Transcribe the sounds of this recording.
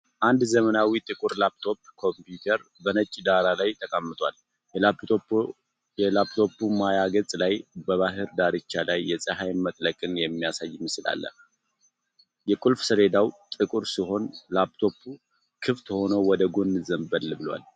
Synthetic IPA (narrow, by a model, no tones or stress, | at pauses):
ʔand̪zəmənawit̪ʼɨkʼuɾlabt̪ʰo̞pːkʰo̞mpjut̪ʰəɾ | bənət͡ʃʼːid̪aɾalajt̪ʰʼəkʼəmːɨt̪ʼwa̰l | a | jɛlapt̪ʰo̞pːumajaɡət͡sʼlajbəβaɦɨɾd̪aɾɨt͡ʃːalajːɛsʼəɦajmət̪ʼləkʼɨnjɛmːijasajːɪmːɨsɨla̰lːə̰h | jɛkʼulfsəɾe̞d̪awt̪ʼɨkʼuɾsiɦo̞nlapt̪ʰo̞pʰːu | kʰɨft̪ho̞nowɔd̪əɡo̞nːɨzəmbəlbɨlwa̰l